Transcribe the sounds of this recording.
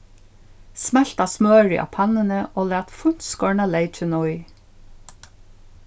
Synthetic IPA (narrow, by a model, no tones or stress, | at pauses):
smɛl̥t̪ɑsmøːɹɪ̰ʔɑ̰ːpʰɑnənəʔoːlæːt̪fʊn̥skɔɹɳɑleɪt͡ʃənɔɪ